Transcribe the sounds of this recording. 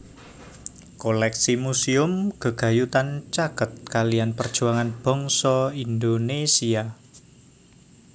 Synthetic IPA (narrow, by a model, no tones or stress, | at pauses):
kolɛksimusiʊmɡ̥ə̤ɡ̥a̤jut̪ant͡ʃakət̪̚kalijanpərd̥ʒ̥ṳaŋanb̥ɔ̤ŋsɔind̪onesia